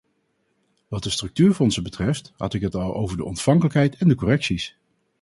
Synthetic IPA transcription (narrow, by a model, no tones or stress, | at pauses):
ʋɑt̚dəstrɵk̚tyːɹfɔnsəbətrɛfthɑ̰tɪkɦətɑlˠʔo̰wvəɹdə̰ɔ̰ntfɑŋkələkɦɛjtɛndəkɔrɛksis